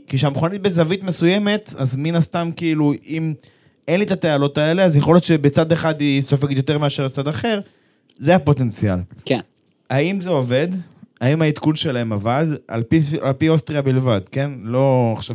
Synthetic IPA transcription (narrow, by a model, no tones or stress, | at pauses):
kiʃeamχanit̪̚bezavit̪mesuje̞me̞t̪azminast̪amkiiluim | e̞nlit̪at̪ealo̞taele̞azjaχo̞ljo̞t̪t͡ʃebet͡sad̪eχad̪isofaɡit̪jote̞ʁmeaʃeʁt͡sad̪aχe̞ʁ | zeapo̞te̞nt͡sia̰lke | haimzeo̞ve̞d̪aimait̪kunʃe̞laemavad̪a̰lpialpiost̪ʁiabilvad̪ke̞nlo̞aχʃav